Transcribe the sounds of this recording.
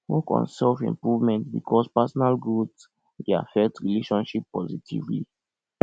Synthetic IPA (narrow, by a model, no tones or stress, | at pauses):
wɔkɔ̰̃nsɛlfɛ̰̃mpɹuvmɛ̃ntbikʰɔspasɔnalɡuds | dea̰fɛk̚tɹileʃɔ̃nʃipːɔzitʰḭvlḭ